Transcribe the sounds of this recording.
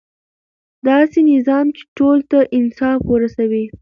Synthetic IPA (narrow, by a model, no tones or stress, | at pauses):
d̪ɑsenɪzɑmt͡ʃe̥ʈolt̪aʔɪnsɑfwəɾasawi